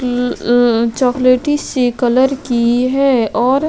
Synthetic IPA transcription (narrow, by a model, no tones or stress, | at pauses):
t͡ʃɔːkleːʈisekɐləɾkiɦɛːɔːɾ